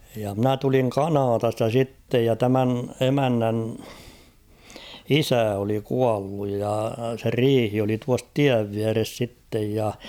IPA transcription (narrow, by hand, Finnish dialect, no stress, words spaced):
jɑ mnæ tuliŋ kɑnɑtɑstɑ sitːej jɑ tæmæn emænːæn isæ oli kuɑlːuj jɑ se riːhi oli tuɑs tiæʋ ʋiæres sitːej jɑ